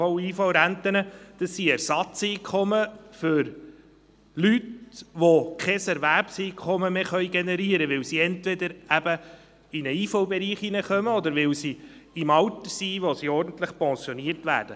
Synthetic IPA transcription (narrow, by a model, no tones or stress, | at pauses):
ɔwiːfɑwɾæntənəd̥əsːiɛɾsɑt͡siːkʰɔməfʏɾ | lytʋokʰɛsɛɾvæɾpsiːkʰɔməmeːχœʏjɡenɛɾiəɾəʋɪwsiɛntʋed̪əɾæbə | ɪnəiːfɑwbɛɾiːχinəχœməɔd̪əɾʋɪwsi | ɪmɑwt̪əsiʋosiɔɾdn̩t̪ləχpɔ̃sjoniəɾtʋæ̰ːɾd̥ə